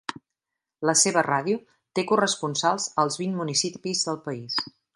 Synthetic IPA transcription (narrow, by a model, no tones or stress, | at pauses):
ləseβərað̞iu | t̪ekurəspunsalˠzəlˠzβinmunisipizðəlˠpəis